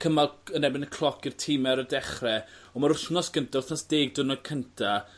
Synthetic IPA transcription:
kʰəmalˠənɛbɪnəkʰlˠɔkirtʰɪmɛɾədɛχrɛ | ɔmaɾʊθnɔsɡ̥əntʰaʊθnɔsd̥eːɡ̚dənɔkʰəntʰa

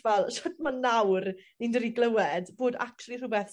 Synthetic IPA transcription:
vɛlˠʃodmanːawrnindədiɡlˠəwɛdboːda̰ktʰulˠir̥ubɛθ

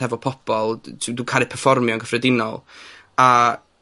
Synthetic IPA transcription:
ɛvɔpʰɔbɔlˠdʰdukʰaːlˠɨpʰɛrfɔrmjɔnŋɡəfrɛdɪnɔ̰lˠ | a

